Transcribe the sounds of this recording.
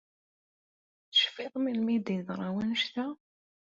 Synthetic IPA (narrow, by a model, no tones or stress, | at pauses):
θə̥ʃfiðˤmilmid̪iðɾˤɑwənʃt̪æ